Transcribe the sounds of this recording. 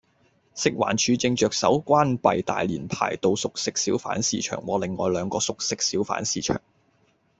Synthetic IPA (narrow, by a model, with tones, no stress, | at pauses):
sɪ˨k̚wa̰ː˨˩nt͡ʃʰyː˨˧t͡sɪ˧ŋt͡ʃœː˨k̚sɐ˨˥wkʷaː˥npɐ˨jt̪a̰ː˨˩jliː˨˩npʰa̰ː˨˩jt̪o˧wsʊ˨k̚sɪ˥k̚siː˨˥wfa̰ː˨˥nsḭː˧t͡ʃʰœ̰ː˨˩ŋwɔː˨˧lɪ˨ŋːɔ̰ː˨˧jlœː˨˧ŋkɔː˧sʊ˨k̚sɪ˥k̚si˨˥wfa̰ː˨˥nsiː˧t͡ʃʰœ̰ː˨˩ŋ